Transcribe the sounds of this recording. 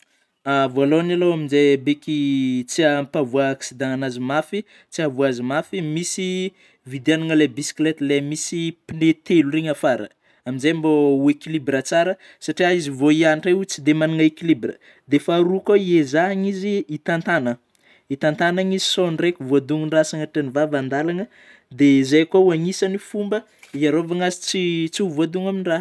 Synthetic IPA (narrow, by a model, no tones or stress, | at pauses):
avoalonalowaminzebekʲit͡siampavuaːksid̪ãŋanazimafi | t͡siavuazimafimisi | vid̪anaŋəlebisi̥klet̪lemisipinet̪eluɾeɲafaɾə̰ | aminzejambouekilibɾət͡saɾə | saʈ͡ʂiaizivoianʈ͡ʂaut͡sid̪emanaŋaekilibrə̰ | d̪efaɾukaiezaaɲiziːt̪ant̪anə | it̪ant̪anaɲizisonrekʲuvoad̪uŋinrasaŋaʈ͡ʂenivavand̪alanə | d̪ezajkwauaŋisanifumbə | iaɾovaŋazit͡sit͡suvoad̪uŋaminira